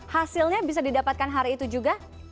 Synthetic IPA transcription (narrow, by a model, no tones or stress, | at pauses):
hasilɲabis̬adidapat̪̚kanɦaɾiːt̪ud͡ʒuɡa